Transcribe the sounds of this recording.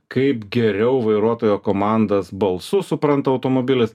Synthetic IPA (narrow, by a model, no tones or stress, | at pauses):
kɐɪpɡʲɛɾʲɛʊʋɐɪɾuɔt̪oːjoːkoːmɑˑnd̪ɐsbɐlˠsʊsʊpɾɐnt̪ɐɐʊt̪oːmoːbʲɪlʲɪs